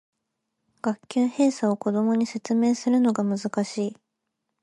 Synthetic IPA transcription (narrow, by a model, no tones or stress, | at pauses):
ɡ̥akʲːɨːhe̞ːsao̞ko̞d̪o̞mo̞ɲ̟ise̞t͡sɨme̞ːsɨɾɯ̟no̞ɡamɯ̟zɨkaɕiː